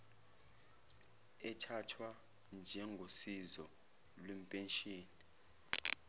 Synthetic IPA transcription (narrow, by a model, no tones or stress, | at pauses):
ɛtʰatʰwa | nd͡ʒʱɛŋɡʱosizɔ | lwem̩pʼɛnʃʼiːni